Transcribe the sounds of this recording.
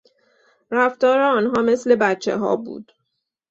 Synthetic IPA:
ɾæft̪ɒːɾeɒːnɦɒːme̞sle̞bætt͡ʃʰːe̞̰ɦɒ̰ːbṵːd̪̥

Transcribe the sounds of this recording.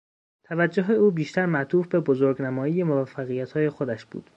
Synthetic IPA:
t̪ʰævæd͡ʒːoɦe̞uːbiːʃt̪æɾmæʔt̪ʰuːfbe̞bozoɾɡnæmɒːjije̞movæfːæɣijæt̪hɒːje̞xo̞d̪æʃb̥ṵːd̪̥

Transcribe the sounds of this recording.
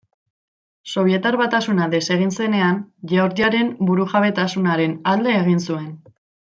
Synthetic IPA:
so̞βje̞t̪aɾβat̪asunaðe̞se̞ɣ̞inse̞ne̞anʝaoɾd̪iaɾe̞mbuɾuʝaβe̞t̪asunaɾe̞nald̪e̞ːɣ̞insue̞n

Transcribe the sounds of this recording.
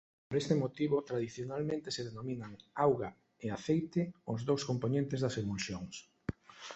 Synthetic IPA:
poɾest̪emot̪iβot̪ɾaðiθjonalmẽnt̪eseðenominaŋawɣa | eaθejt̪ɪʊzðowskomponẽnt̪ezðɐseβulsjoŋs

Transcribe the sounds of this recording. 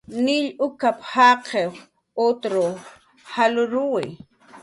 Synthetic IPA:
nɪʎʔʊkaphaqʰeχ | ot̪ɾo | halʊɾʊwɪ̰

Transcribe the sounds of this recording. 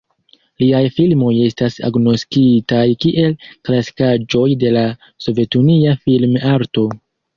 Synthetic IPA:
liajfilmo̞je̞stasa̰ɡno̞skitajkiʔe̞lklasi̥kad͡ʒo̞jde̞la | so̞ve̞tuniafilmaɾto̞

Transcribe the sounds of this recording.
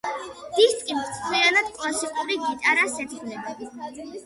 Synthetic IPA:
d̪̥ist̪ʼkʼimt̪ʼlianad̪̥kʼlˠasiqʼuɾiɡit̪ʼaɾasɛt̪ʰɡlɛba

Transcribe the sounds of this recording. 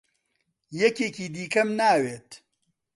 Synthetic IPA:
jɛceːkiːd̪iːkɐmnaːweːt̪

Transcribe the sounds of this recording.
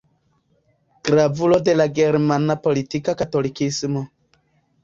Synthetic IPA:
ɡ̥ɾavulodelaɡeɾmanapolitikakat̪olikismo

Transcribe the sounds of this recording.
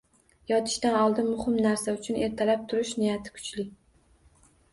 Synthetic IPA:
jɒt̪ʰɪ̥ʃt̪anɒlˠd̪ɪnmʊhɪmnaɾsaʊt͡ʃʰʊne̞ɾt̪ʰalap̚t̪ʰʊɾɪʃnɪjat̪ʰɪ̥kʰʊ̥t͡ʃlɪ

